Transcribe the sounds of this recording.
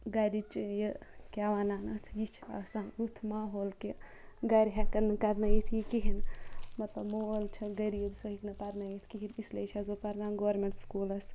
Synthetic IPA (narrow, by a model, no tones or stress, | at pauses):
ɡɐɾit͡ʃjəkʲaːʋaːnaːnɐt̪ʰjit͡ʃʰa̰sɐnut̪ʰmaːɦoːlkeɡɐɾʲɦɛkɐnkɐɾnɐjit̪ʰjikiɦinmɐt̪lɐbmolt͡ʃʰɐɡɐɾibsoɦiknɐpɐɾnɐjit̪ʰkiɦinisleit͡ʃʰɐzopɐɾnaːnɡoʋɾmeɳʈskuːlɐs